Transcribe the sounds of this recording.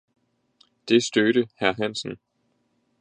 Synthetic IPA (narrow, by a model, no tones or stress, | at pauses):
d̥e̝sd̥øɾ̥əhæɐɦæn̰sn̩